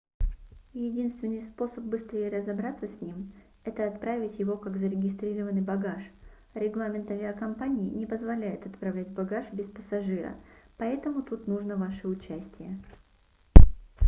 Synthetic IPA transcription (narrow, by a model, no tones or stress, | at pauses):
jɪdʲinst̪vʲɪnːɨjspo̞səp̚bɨst̪ɾʲejəɾəzɐbɾat̪səsʲnʲim | ɛt̪əɐt̪pɾavʲɪtʲjɪvo̞kakzəɾʲɪɡʲɪst̪ɾʲiɾəvənɨjbɐɡaʂ | ɾʲɪɡlˠamʲɪnt̪ɐvʲɪakɐmpanʲɪɪnʲɪpəzvɐlʲæjɪt̪ɐt̪pɾɐvlʲætʲbɐɡaʂbʲɪspəsɐʐɨɾə̰pɐɛt̪əmʊt̪ut̪nuʐnəvaʂɨʊt͡ɕæsʲtʲɪjə